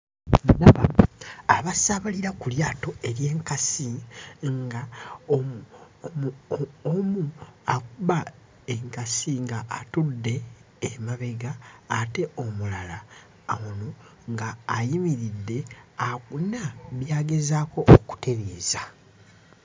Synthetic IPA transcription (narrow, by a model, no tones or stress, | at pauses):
ndaβaaβasaβaliɾakuljaːto̞ʔe̞ɾje̞ːŋkasiŋɡa | momuakuβa | eŋkasiŋɡaːtudːe̞ː | maβe̞ɡaːte̞o̞mulalaː | wono | ŋɡaːjimiɾidːe̞akunaβjaːɡe̞zaːko̞ʔːku̥te̞βeːza